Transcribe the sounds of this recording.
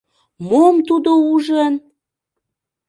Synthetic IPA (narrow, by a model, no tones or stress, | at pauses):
momt̪ud̪ouʒən